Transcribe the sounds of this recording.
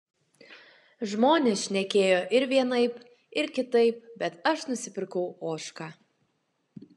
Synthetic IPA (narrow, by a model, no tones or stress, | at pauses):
ʒmoːnʲɛsʃʲnʲɛkʲeːjoːʔɪɾʋʲiɛnɐɪp | ɪɾkʲɪt̪ɐɪp̚bʲɛt̪ɐʃnʊsʲɪpʲɪɾkɐʊoːʃkɑː